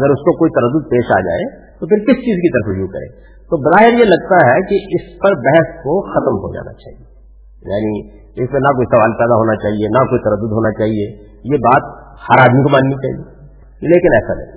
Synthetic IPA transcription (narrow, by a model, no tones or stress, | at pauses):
ɐɡəɾʊskokoːit̪ɐɾəd̪ːʊd̪̚peːʃa̰ːd͡ʒa̰ːet̪opʰɪɾkɪst͡ʃiːzkit̪ɐɾəfd͡ʒjukɐ̰ɾḛ̃ː | t̪obɐzaːɦɪɾjelɐɡt̪aɦɛkiɪspɐɾbɛɦɛskoxɐt̪əmɦo̰d͡ʒa̰ːna̰t͡ʃa̰ːɦie | ja̰ːni | ɪsmẽnɐkoːisɐʋaːlpɛːd̪aɦoːnat͡ʃaːɦienakoːit̪ɐɾəd̪ːʊd̪ɦoːnat͡ʃaːɦie | jebaːt̪̚ | hɐɾaːd̪mikomaːnːit͡ʃa̰ːɦḭe | leːkɪnɛːsa̰lḛ